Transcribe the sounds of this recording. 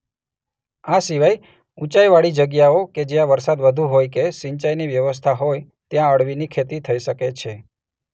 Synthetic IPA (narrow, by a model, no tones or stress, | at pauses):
asiʋaj | ut͡ʃajʋaɭid͡ʒəɡjaoked͡ʒeãʋəɾsad̪ʋəd̪ʱuɦojkeʃɪɲt͡ʃajniʋjəʋəs̬t̪ʰaɦoj | t̪jãəɽʋinikʰet̪it̪ʰəiʃəket͡ʃʰe